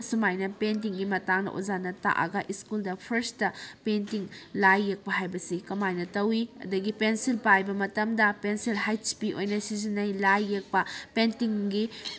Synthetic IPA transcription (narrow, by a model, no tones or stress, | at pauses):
sumajnɐpent̬iŋɡimɐtaŋnɐ̰ʔṵzanɐta̰ʔɐ̰ɡɐʔiskuldɐpʰɐɾstɐpentiŋlajːek̚pɐɦajbɐsikɐmajnɐtɐwiɐ̰dɐɡipensilpajbɐmɐtɐmdɐpensilɦajt͡ʃpio̰jnɐsizinːɐjlajːek̚pɐpentiŋɡi